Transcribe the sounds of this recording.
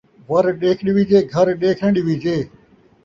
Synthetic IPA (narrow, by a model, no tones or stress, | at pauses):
ʋəɾɗeːkʰɳiːʋid͡ʒeːɡʱəɾɗeːkʰəɳɖiːʋiːd͡ʒeː